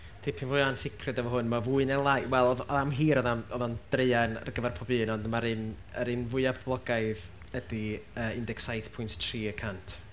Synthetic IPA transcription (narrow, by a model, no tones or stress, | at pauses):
d̥ɪpʰɪnvʊɨansɪkʰrɨdavɔɦʊnmavuɨnɛlˠajwɛlˠɔðɔðamɦiːɾɔðamɔðɔnd̥rejana̰rɡəvɛrpʰɔbɨːnɔndmaɾɨn | əɾɨnvʊɨabʰblˠɔɡajð | ədiəːɪndɛksajθpʰʊjnttʰriːəkʰantʰ